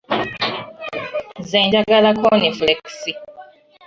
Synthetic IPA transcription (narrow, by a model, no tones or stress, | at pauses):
zɛ̃nd͡ʒaɡalakʰɔneflɛksi